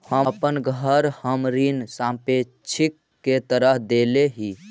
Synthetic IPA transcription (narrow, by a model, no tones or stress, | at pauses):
həpənɡʱəɾhəmɾinsãmpe | t͡ʃʰikːet̪əɾəɦd̪eleɦi